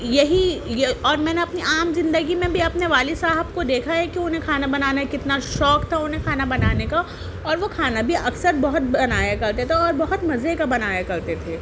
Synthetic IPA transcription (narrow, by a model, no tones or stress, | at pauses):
jɐɦijeɔːɾmɛːneɐpniaːmzɪ̃nd̪əɡimẽbʱiɐpneʋaːlisaːɦəbkod̪eːkʰaɦɛkiʊnɦẽkʰaːnabɐnaːnakɪt̪naʃɔːkt̪ʰaʊnɦẽkʰaːnabɐnaːneka | ɔːɾʋokʰaːnabʱiʔɐksəɾbɐɦʊt̪̚bɐnaːjakɐɾt̪et̪ʰeɔːɾbɐɦʊt̪mɐzekabɐnaːjakɐɾt̪et̪ʰeː